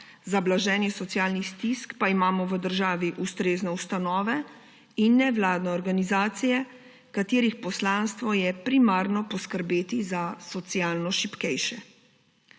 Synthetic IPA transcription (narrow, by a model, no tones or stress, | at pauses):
zablaʒɛːnjɛsɔt̪sijaːlnist̪iskpaimaːmɔʋəd̪əɾʒaːʋiʔust̪ɾeːznɛust̪anɔːʋɛ | inːɛʋlaːd̪nɛɔɾɡanizaːt̪sijɛ | kat̪eːɾixpɔslaːnst̪ʋɔjɛpɾimaːɾnɔpɔskəɾbeːt̪izasɔt̪sijaːlnɔʃipkɛjʃɛ